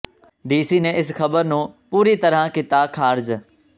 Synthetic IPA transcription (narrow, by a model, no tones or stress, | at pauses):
ɖiːsiːnɛ̃ɪsxɐbəɾnũpuːɾit̪ɐɾãkɪt̪akʰaːɾd͡ʑ